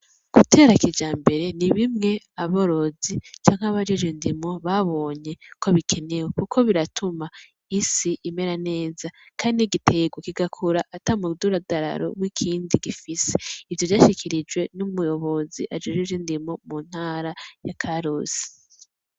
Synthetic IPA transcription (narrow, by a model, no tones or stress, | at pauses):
ɡ̥utʰe̞ːɾakid͡ʒaːmbe̞ɾe̞niβimŋe̞ | aβoɾo̞zit͡ʃaːŋ̥aβad͡ʒed͡ʒendimo̞βaβo̞ːɲe̞kʰo̞βikʰe̞ne̞we̞kukʰo̞βiɾatʰuma | isiʔime̞ɾane̞ːza | kʰaːndiɡitʰe̞ɡwokiɡakʰuɾaʔatamuduɾadaɾa̰ɾo̰βwikʰiːndiɡifiseivjo̞vjaːʃikʰiɾid͡ʒwe̞numujo̞βo̞ziʔad͡ʒed͡ʒed͡ʒendimo̞mun̥haːɾajakʰaɾoːz̥i̥